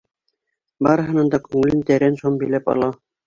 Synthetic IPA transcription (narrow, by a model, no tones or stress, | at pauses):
bɑɾɤ̆ɦɤ̆nɤ̆nd̪ɑkʉŋɘ̆lɘnt̪æɾænʃombĭjlæpɑ̰lˠɑ